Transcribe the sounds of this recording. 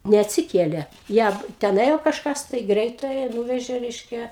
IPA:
nʲɛɐtʲsʲɪˈkʲeːlʲeː ˈjæː tʲɛn ˈeːjoː kɐʃˈkɐs tɐɪ ˈɡrʲɛɪtɑːjæː ˈnuːʋʲɛʒʲeː ˈrʲɛɪʃʲkʲɛ

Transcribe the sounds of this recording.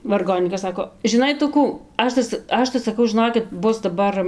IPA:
ʋɐrˈɡoːnʲiːkɐs ˈsɑːkoː ʒʲɪˈnɐɪ ˈtʊ ˈkuː ˈɐʃ tɐ ˈɐʃ tɐɪ sɐˈkɐʊ ʒʲɪˈnoːkʲɪt ˈbʊs dɐˈbɐr

